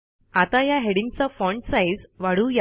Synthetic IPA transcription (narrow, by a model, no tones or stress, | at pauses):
at̪ajaɦeɽiŋɡ̚t͡safɔ̃ɳʈsajd͡zʋaɽuːja